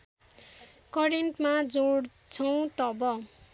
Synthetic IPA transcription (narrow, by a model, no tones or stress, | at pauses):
kʌrenʈmad͡zoɽ | t͡sʰʌw̃t̪ʌbʌ